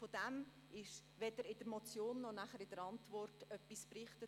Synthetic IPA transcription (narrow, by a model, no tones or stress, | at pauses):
fod̥æm | ɪʃʋɛd̪əɾɪd̥əɾmɔt͡sjoːnːɔnæχəɾɪd̥əɾɑntvɔrtœpːisprɪχtə